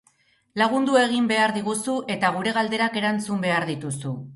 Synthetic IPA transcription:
laɣ̞und̪ue̞ɣ̞imbe̞aɾðiɣ̞usuʔe̞t̪aɣ̞uɾe̞ɣald̪e̞ɾake̞ɾant͡sumbe̞aɾðit̪usu

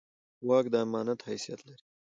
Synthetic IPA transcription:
waːkd̪aːmaːnɐt̪hɐjsijɐt̪lɐɾi

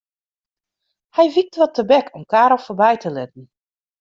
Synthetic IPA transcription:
hɛjʋik̚tʋɔtəbɛkʰɔmkaːɾɔlˠfoːbɛjtʰəlɪtn̩

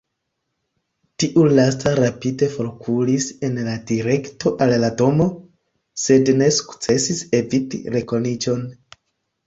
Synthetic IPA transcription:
tiʔulastaɾapide̞fo̞ɾkʰulise̞nladiɾe̞kto̞ʔallado̞mo̞ | se̞dne̞su̥kt͡se̞sise̞vitḭɾe̞ko̞nid͡ʒo̞n

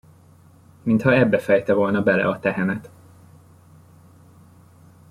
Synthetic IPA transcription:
mint̪hɒɛbːɛfɛjt̪ɛvo̞lnɒbɛlɛ̰ɒt̪ɛɦɛnɛt̪

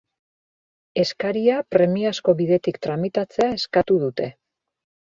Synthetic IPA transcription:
e̞skaɾiapɾe̞miasko̞βiðe̞t̪ikt̪ɾamit̪at͡se̞ae̞skat̪uðut̪e̞

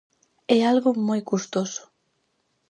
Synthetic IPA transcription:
ɛalɣʊmojkust̪osʊ̥

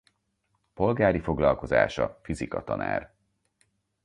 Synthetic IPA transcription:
po̞lɡaːɾifo̞ɡlɒlko̞za̰ːʃɒfizikɒt̪ɒna̰ːr

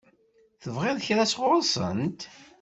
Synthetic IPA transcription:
θəvʁeðçɾæsʁʊɾˤsˤə̰nt̪

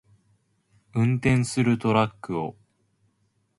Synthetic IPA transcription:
ɯ̟̃nt̪ẽ̞ɰ̃sɨɾɯ̟t̪o̞ɾakːɯ̟o̰

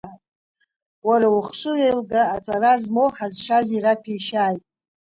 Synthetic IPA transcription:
tʼ | waɾauχʂɨʁejlɡaːt͡sʼarazmowħazʂaziɾakʷʰijʃaːjtʼ

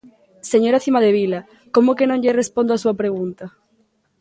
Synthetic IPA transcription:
seɲoɾaθimaðeβila | komʊkenõɲʎerespond̪oasuɐpɾeɣ̞unt̪ɐ

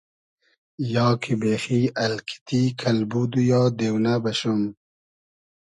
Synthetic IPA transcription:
jɑːkʰibeːxiɐlkʰi̥t̪ikʰɐlbud̪ujɑːd̪ewnabɐɕum

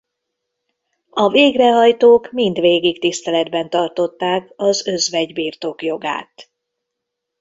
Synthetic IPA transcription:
ɒveːɡrɛɦɒjt̪oːkmind̪ʋeːɡikt̪ist̪ɛlɛd̪bɛnt̪ɒrt̪o̞t̪ːaːkɒzø̞zʋɛɟbiːrt̪o̞kjo̞ɡa̰ːt̪

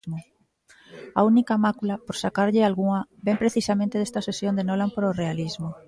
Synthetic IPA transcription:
mʊ | aunikɐmakulɐpoɾsakaɾʎɪalɣuŋɐbempɾeθisamẽnt̪eðest̪ɐsesjond̪enolampoɾorealizmʊ

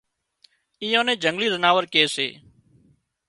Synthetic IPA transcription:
iːjõːnẽːd͡ʒəŋɡliːzənaːʋəɾkeːsḛː

